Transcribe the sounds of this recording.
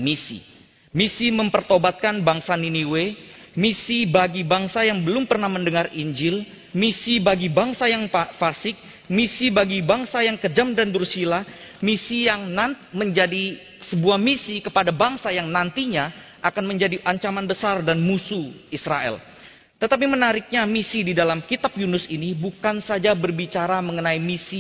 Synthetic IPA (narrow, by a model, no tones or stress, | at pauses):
misḭ | misiməmpərt̪obat̪̚kanbaŋsaniniwe | misibaɡibaŋsajaŋbəlʊmpərnahməndəŋariɲd͡ʒɪl | misibaɡibaŋsajaŋafasɪk̚ | misibaɡibaŋsajaŋkəd͡ʒamdandursila | misijaŋnanməɲd͡ʒadi | səbuahmisikəpadabaŋsajaŋnant̪iɲa | ʔakanməɲd͡ʒadiʔaɲt͡ʃamanbəsardanmusuisɾaɛ̰l | t̪ət̪ap̬imənaɾɪk̚ɲamisididalamkit̪ap̚junʊsinibukansad͡ʒabərbit͡ʃaɾaməŋənaimisi